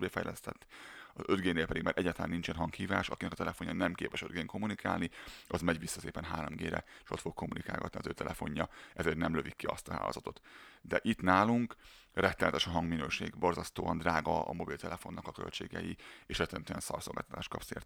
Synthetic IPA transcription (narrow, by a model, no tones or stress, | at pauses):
beːfɛ̰jlɛst̪ɛt̪ːɒzød̪ɡeːnːeːlpɛd̪iɡmaːɾʔɛɟaːt̪ɒlaːnːint͡ʃɛnɦɒŋkhiːvaːʃɒkinɛkɒt̪ɛlɛfoɲːɒnɛmkeːpɛʃød̪ɡeːŋko̞mːunika̰ːlniʔɒzmɛɟʋisːɒseːpɛnɦaːɾomɡeːɾɛ̰eʃo̞t̪fok̚kʰːo̞mːunika̰ːlɡɒt̪niɒzøːt̪ɛlʔɛfo̞ɲːɒɛzeːrt̪nɛmløvikːiɒst̪ɒɦa̰ːloːzɒt̪o̞t̪d̪ɛʔit̪naːluŋkrɛt̪ːɛlɛt̪ɛʃɒɦɒŋɡminøːʃḛːɡbo̞rzɒst̪oːɒnd̪raːɡɒɒ̰mo̞bilt̪ɛlɛfo̞nːɒkɒkølt͡ʃḛːɡɛ̰jieːʃrɛt̪ːɛnt̪yɛnsɒ̰rksolɡa̰ːt̪ɒt̪aːʃt̪̚kɒpsḛːrt̪